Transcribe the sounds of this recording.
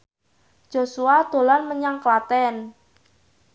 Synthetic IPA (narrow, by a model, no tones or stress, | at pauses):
d͡ʒ̥o̤suad̪̥o̤lanməɲaŋklat̪ɛn